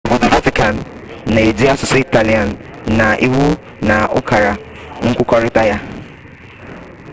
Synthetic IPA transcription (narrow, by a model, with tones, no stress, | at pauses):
bʊ˦dʊ˨va˦tɪ˦ka˨nː˨ | a˨e˨d͡ʒi˦a˦sʊ˨sɪ˦i˦ta˨li˨a˨n˨na˨ʔi˦wu˦ | na˨ʊ̰˦kʰa˨ɾa˨ | ŋ̩˦kʷʊ˦kɔ˦ɾɪ˦ta˦ja˦